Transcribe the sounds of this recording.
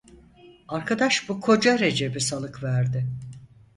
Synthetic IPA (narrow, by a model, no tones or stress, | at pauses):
aɾkʰad̪aʃbukʰo̞d͡ʒaɾe̞d͡ʒe̞bisalˠɯkvæɾd̪ɪ